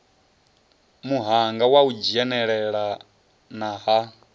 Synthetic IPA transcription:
muɦaŋɡawaud͡ʒiɛnɛɺɛɺa | naɦa

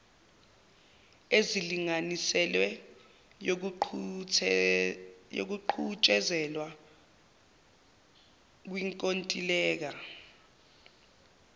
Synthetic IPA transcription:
eziliŋanisɛlwɛ | jo̰k̬uǃʰut͡ʃʼɛzɛlwa | k̬wiŋkʼontʼilɛːk̬a

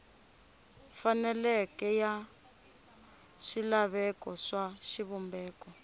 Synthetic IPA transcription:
fanɛlɛkɛja | ʃilaβɛkɔʂaʃiβumbɛːkɔ

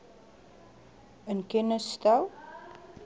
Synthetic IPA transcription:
ənkɛnəst̪aw

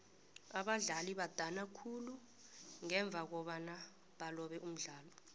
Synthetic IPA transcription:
aɓaɮaliɓad̥ʱanakʰulu | ŋɛɱb̪vʱak̬ɔɓana | ɓalɔɓɛʔum̩ɮaːlɔ

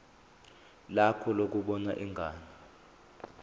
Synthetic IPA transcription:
lakʰɔlok̬uɓɔnaʔiŋɡʱaːni

